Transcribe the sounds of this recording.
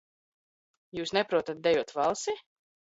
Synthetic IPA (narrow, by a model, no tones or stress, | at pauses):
juːsnɛpɾuɔt̪at̪̚d̪ɛjuɔt̪valˠsi